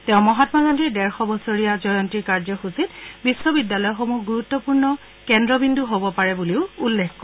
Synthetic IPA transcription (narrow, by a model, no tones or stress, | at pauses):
tɛʊ̃mɔɦatɔmaɡandiɹdɛɹxɔbɔsoɹijazɔjɔntiɹkaɹzɔxusitbisːɔbidːalɔjɔxomuɡuɹutːɔpuɹnɔ | kɛndɹɔbinduɦobɔpaɹɛbuliʊulːekkɔ